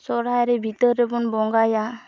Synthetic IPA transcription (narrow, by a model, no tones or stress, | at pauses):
sɔɾajɾɛbʱit̪əɾːɛbunbɔŋɡaja